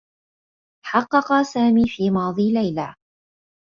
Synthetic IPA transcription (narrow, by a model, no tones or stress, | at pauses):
ħɑqːɑqɑsaːmiːfiːmɑːd̪ˤiːlajlaː